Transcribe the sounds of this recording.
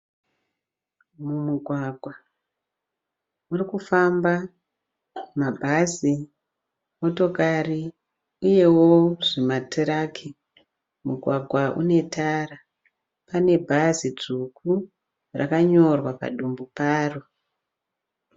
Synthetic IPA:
mumuɡʱwaɡʱwa | urikufamba | mabʱazi | mo̞to̞kari | uje̞wo̞ʐimatʰeɾakʰe | muɡʱwaɡʱwaʔṵne̞tʰara | pane̞bʱazid͡zukʰu | ra̰kaɲo̞rwapa̰ɗumbupaːro

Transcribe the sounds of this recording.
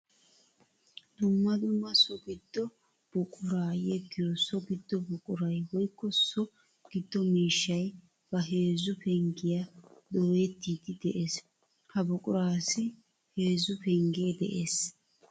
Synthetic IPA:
d̪̥ʊmːɐd̪ʊmːɐsɔɡɪd̪̥ːɔ | b̥ʊkʼʊɾaːjɛɡɪjɔsɔɡɪd̪̥ːɔbʊkʼʊɾɐjwɔjkːɔsɔ | ɡ̥ɪd̪ːɔmiːʃːɐj | b̥ɐɦe̞ːzʊpɛŋɡɪjɐd̪oːɛt̪ːiːd̪ɪd̪ɛʔe̞ːs | hɐbʊkʼʊɾaːsɪ | heːzʊpɛŋɡeːd̪ɛʔeːs

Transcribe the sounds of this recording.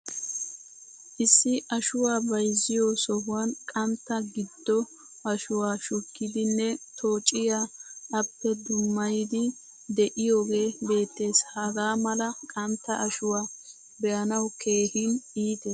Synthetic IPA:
ʔɪsːɪʔɐʃʊwaːbɐjzːɪjosɔɦʊwankʼɐmt̪ːɐɡɪd̪ːɔ | ɐʃʊwaːʃʊkːɪd̪ɪnːɛt̪ʰo̞ːt͡ʃʼɪjaːɐpːɛd̪ʊmːɐjɪd̪ɪ | d̪ɛʔɪjo̞ːɡe̞ːbe̞ːt̪ːe̞ːshɐɡaːmɐlɐkʼɐmt̪ːɐʔɐʃʊwaː | bɛʔɐnɐwkʰe̞ːhɪniːt̪e

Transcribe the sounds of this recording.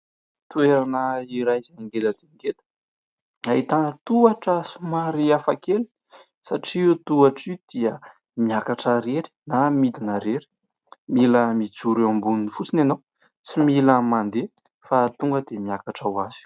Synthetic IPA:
t̪ueɾanəiɾajzaniŋɡeləd̪̥eŋɡet̪ə̥ | ait̪anət̪uaʈ͡ʂəsumaɾiafakeli̥ | saʈ͡ʂiut̪uaʈ͡ʂid̪̥iə | miakaʈ͡ʂəɾeɾi̥namid̪inəɾeɾi̥ | miləmit͡suɾeambuninifut͡sineno | t͡similəmand̪e | fat̪uŋɡəd̪̥emiakaʈ͡ʂawaz̥i̥

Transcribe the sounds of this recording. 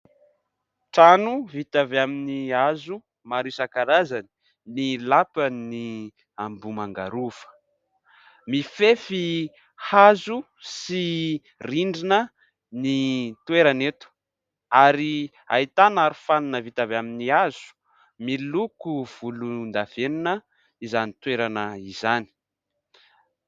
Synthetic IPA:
ʈ͡ʂanuvit̪avaminiazu | maɾisakaɾazani̥ | nilapəni | ambumaŋɡa̰ɾufə̥ | mifefi | hazu | si | riɳɖ͡ʐinə | nit̪weɾanet̪u̥ | aɾi | a̰it̪anaɾufanunəvit̪avaminiaz̥u̥ | milukuv̥ulund̪av̥eninə | izanit̪weɾanəizani̥

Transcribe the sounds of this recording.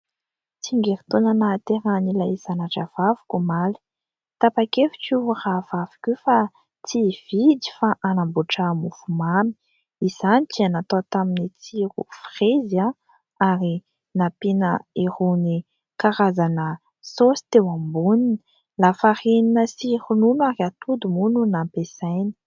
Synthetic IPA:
t͡siŋɡeɾi̥t̪onanat̪eɾanilaizanaʈ͡ʂav̥avu̥kʲumali̥ | t̪apakefi̥kiravavi̥kʲwefa | t͡siv̥id̪i̥faʔanambuʈ͡ʂamufumami̥ | iz̥anit͡ʃianat̪ot̪aminit͡siɾṵfreza | aɾi | napinəeruni | kaɾazanə | sosi̥t̪ewambunini̥ | lafarininəsiɾununuaɾiat̪ud̪umununampesajni̥

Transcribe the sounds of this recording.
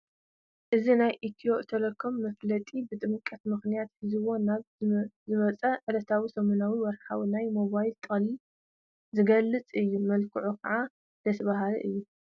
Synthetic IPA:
ʔɨzinajʔit̪ʰioʔt̪ʰɐlɐkʰːomːɐflɐt̪ʼibɨt̪ʼɨmkʼɐt̪mɨxnijat̪hɨzɨwo̞naβzɨmɐt͡sʼɐʕɨlɐt̪ʰawisɐmonawiwɔɾħawinajmo̞βajlt̪ʼɐli | zɨɡɐlːɨt͡sʼɨjːumɐlkʰɨʕukʰɐʕa | d̪ɐt̪ʰɐβaɦal̰ʔɨjːu

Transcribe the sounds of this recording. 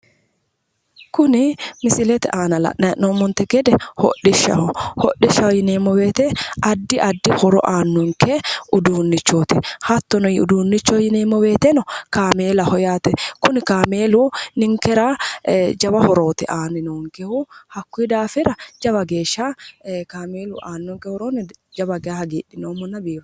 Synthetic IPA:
kʊnɪmɪsɪlɛt̪ɛʔaːnɐlɐ̰ʔɛʔnɔmːɔnt̪ɛɡɛd̪ɛhɔ̰ʔɪʃːɐ̰hɔhɔʔɪʃɐhɔjɪneːmːɔbeːt̪ɛɐd̪ːɪʔɐd̪ːɪhɔɾɔ̰ʔaːnːʊŋkɛʊd̪uːnːɪt͡ʃːoːt̪ɪhɐt̪ːɔnɔjɪʊ̰d̪uːnːɪt͡ʃːɔjɪneːmːɔbeːt̪ɛnɔkaːmeːlɐhɔjaːt̪ɛkʊnɪkaːmeːlʊnɪŋkɛɾad͡ʒɐbɐhɔɾo̞ːt̪ɛ̰ʔaːnɪnoːŋkɛhʊhɐkːʊid̪aːfɪɾɐd͡ʒɐbɐɡeːʃːakaːmeːlʊʔaːnːɔŋkɛhɔɾoːnɪd͡ʒɐbɐɡɛahɐɡiːᶑːɪnoːmɔnːɐbiːbɐ

